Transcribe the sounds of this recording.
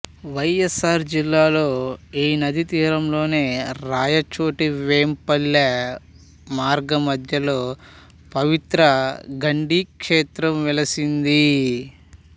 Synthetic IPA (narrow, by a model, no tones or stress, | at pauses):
ʋɐjesaːɾd͡ʒilːaːlo̞ːiːnɐd̪it̪iːɾɐmlo̞ːne̞ːɾaːjɐt͡ʃoːʈiʋeːmpɐlːɐ | maːɾɡɐmɐd̪ʱjɐlo̞ː | pɐʋit̪ɾɐɡɐɳɖiːkʂeːt̪ɾɐmʋɛlɐsind̪i